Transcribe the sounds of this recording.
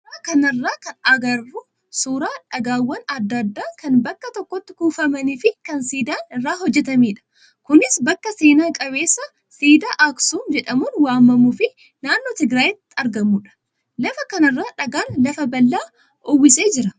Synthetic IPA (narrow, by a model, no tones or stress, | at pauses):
ɐkɐnɐrːaːkɐnɐɡɐrːuː | suːɾaːᶑɐɡaːwːɐnɐd̪ːɐd̪ːaːkɐnbɐkːɐt̪ɔkːɔt̪ːɪ̥kuːfɐmɐniːfɪkɐnsiːd̪aːnɪrːaːhɔd͡ʒːɛt̪ɐmiːᶑɐ̥ | kʊnɪsbɐkːɐse̞ːnaːkʼɐβe̞ːsːɐ | siːd̪aːʔaksuːnd͡ʒɛᶑɐmuːnwaːmːɐmufɪ | naːnːoːt̪ɪɡɾaːjɪt̪ːɐɾɡɐmuːᶑɐ̥ | lɐfɐkɐnɐrːaːᶑɐɡaːnlɐfɐbɐlːaː | ʊwːɪse̞ːd͡ʒɪɾɐ